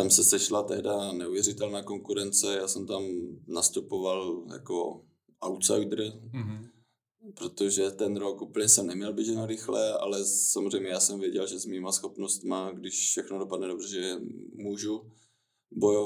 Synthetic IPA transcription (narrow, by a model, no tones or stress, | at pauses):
t̪amsɛsɛʃlat̪ɛɦdanɛuvjɛɾɪt̪ɛlnaːko̞ŋkuɾɛnt͡sɛjaːsɛmt̪amnast̪upovalja̰ko̰ | awt̪sa̰jdr̩ | pɾo̞t̪oʒɛt̪ɛnɾokupl̩ɲɛsɛmnɛmɲɛlbɪʒɛnaɾɪxlɛʔa̰lɛsamozr̝ɛjmɲɛjaːsɛmvjɛɟɛlʒɛzmiːmasxo̞pnost̪maɡdɪʃfʃɛxnodopadnɛdo̞brɛʒɛmuːʒu | bojov